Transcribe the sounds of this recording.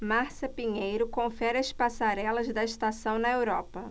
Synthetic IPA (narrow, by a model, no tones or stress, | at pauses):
maɾsɐpiɲejɾʊkõfɛɾɐspasaɾɛlɐzd̪ɐiʃt̪asɐ̃w̃nɐewɾɔpɐ